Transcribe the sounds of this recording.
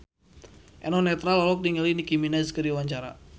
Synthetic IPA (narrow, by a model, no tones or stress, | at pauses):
ʔɛnɔnɛt̪ɾalɔlɔk̚niŋəlinikiminaskəɾiwaɲt͡ʃaɾa̰